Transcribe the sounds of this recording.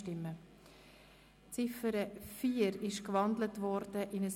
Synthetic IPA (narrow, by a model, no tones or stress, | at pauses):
tɪmːə | t͡sɪfəɾəfiːəɾɪʃkvɑndlətʋɔɾd̥əʔɪnəs